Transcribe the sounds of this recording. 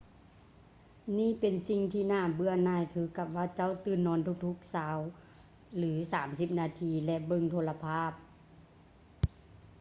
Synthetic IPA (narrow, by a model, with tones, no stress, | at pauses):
niː˧˥˨pe˨nsi˧ŋt̪ʰiː˧˨naː˧˩bɯ˧ɐnaː˧˩˨jkʰɯː˧ka˧˩p̚ʋaː˧˥˩t͡ɕa˧˥˨wt̪ɯː˧˩nːɔː˧˥˨nt̪ʰu˧˥k̚t̪ʰu˧˥k̚saː˨˦w | lɯː˩˨˦saː˩˦msi˧p̚naː˧˨t̪ʰiː˧lɛ˧ʔbɤ˧˨ŋt̪ʰoː˧˨la˧pʰaː˥˩p̚